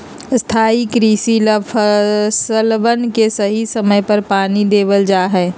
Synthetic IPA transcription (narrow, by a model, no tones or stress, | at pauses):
st̪ʰaːikɾiːsiləpʰsəlʋənkesəɦisəməjpɐɾpaːnid̪eːʋəld͡ʒaːɦɛː